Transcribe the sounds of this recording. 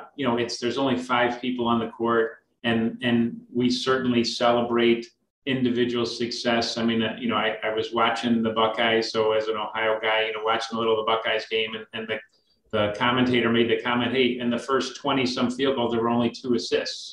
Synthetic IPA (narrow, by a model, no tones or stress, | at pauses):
jɨnoʊɨtsðə˞zõʊ̃nlifaɪv̥pʰipl̩ˠə̃nðɨkʰɔɹɾ | ɨ̃nɨ̃nwisɜ˞ʔn̩lisɛlˠəbɹeɪɾ | ɪ̃ndɨvɪd͡ʒɨwl̩ˠsɨksɛsaɪmĩnɨjɨñoʊaɪʔaɪwʌzwɑt͡ʃɪ̃ŋðɨbʌkaɪ̥soʊɨzɨ̃noʊhaɪoʊɡaɪjɨnoʊwɑt͡ʃɪ̃ŋəlɪɾl̩ˠðəbʌkaɪzɡẽɪ̃mɨ̃nɨ̃nðɨ | ðɨkʰɑmɨ̃ntʰeɪɾə˞meɪd̪̚ðɨkʰɑmɨ̃nteɪɾɨ̃nðɨfɜ˞stʰw̥ɛ̃ɾ̃isʌ̃ɱfilˠboʊðə˞wə˞õʊ̃nlitʰuɨsɪsts